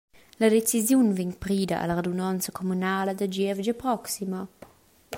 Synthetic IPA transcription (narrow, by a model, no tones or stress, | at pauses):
lad̪et͡sizjunviɲpɾiːdaʔa̰laɾedunɔnt͡səkʰomunaːləd̪ad͡ʒiɛvd͡ʒəpɾɔksimɐ